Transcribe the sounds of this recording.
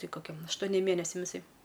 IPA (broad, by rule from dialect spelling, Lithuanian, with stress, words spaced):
ˈtɐɪ koːˈkʲɛm ɐʃtoːˈnʲeːm ˈmʲeːnʲɛsʲɛm ɪˈsɐɪ